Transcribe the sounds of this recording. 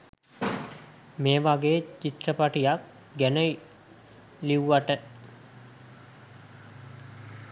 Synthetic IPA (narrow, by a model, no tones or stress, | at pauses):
meːʋaɡeːt͡ʃit̪rəpaʈijak | ɡænə | liuʋaʈə